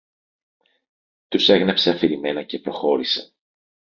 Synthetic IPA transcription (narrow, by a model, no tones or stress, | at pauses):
t̪use̞ɣnepse̞ɐfiɾime̞nɐce̞pɾo̞xo̞ɾise̥